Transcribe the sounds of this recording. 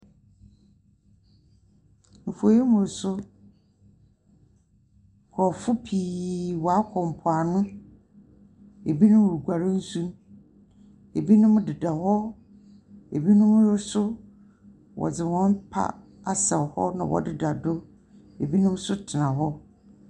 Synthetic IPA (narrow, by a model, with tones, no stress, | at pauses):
m̩˨fo˨je˦mʊ̃˨ɾsʊ˦˨ | kʰɔ˨fʊ˦pʰiː˨wɔ˨a˦kʰɔ˨m˨pʰʊ˨a˨nʊ̃˦ | e˨bi˦nʊ̃˦˨ɾɡʷa˨ɾɪ̃˦n̩˦sũ˦m | e˨bi˦nʊ̃˦m˦dɪ˨da˨hɔ˦ | e˨bi˦nʊ̃˦m˦ɾɪ˦sʊ˦ | wʔɔ̰˨d͡zɪ˨wɔ̃˦m˦pʰa̰˦ | a˨sɛ˨hɔ̰˦nã̰˨wɔ̰˨dɪ˨da˨dʊ˦ | e˨bi˦nʊ̃˦m˦sʊ˦tʰɪ˨nã˨ɦɔ˦